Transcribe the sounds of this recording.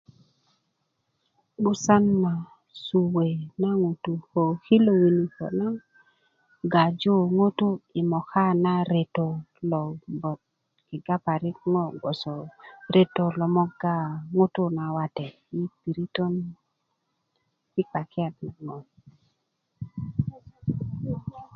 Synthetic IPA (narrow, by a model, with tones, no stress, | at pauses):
ɡʊ˦sa˦nma˨ | su˨we˨na˦ŋu˨tu˨ho˨ki˦lo˨wi˨ni˨ho̰˨na˦ | ɡa˨d͡ʒo˦ŋo˦tu˦i˨mɔ˨ka˦na˦ɾe˨to˨lɔ˨bɔ˨t̚ | kɪ˨ɡa˦pa˨ɾɪ˦k̚ŋɔ˦ɡɔ˨sɔ˨ɾe˦to˨lɔ˨mɔ˦ɡa˦˨ŋo˦tʊ˦na˨wa˦tɛ˨ | i˦pi˨ɾi˦to˦n | ki˦ka˨kɪ˦a˨tna˨ŋɔ˨